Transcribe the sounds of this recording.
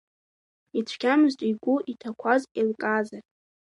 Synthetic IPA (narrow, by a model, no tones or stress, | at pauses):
it͡ʃʷʰkʲʰamɨztʷʼiɡʷuʔitʰakʷʰazkʼilkʼazar